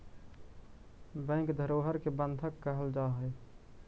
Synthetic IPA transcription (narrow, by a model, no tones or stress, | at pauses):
bə̃ɪ̃ŋkd̪ʱəɾoːɦəɾkebə̃nd̪ʱəkːəɦəld͡ʒaɦə